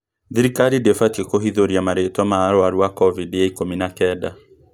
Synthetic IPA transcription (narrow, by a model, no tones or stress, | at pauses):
ðiɾikaɾidefatiekoɦiðoɾiamaɾetamaaɾoaɾuakɔvidjaikominakɛda